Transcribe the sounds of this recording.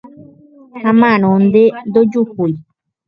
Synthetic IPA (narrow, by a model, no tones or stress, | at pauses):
hamãñõnd̪end̪od͡ʒuhui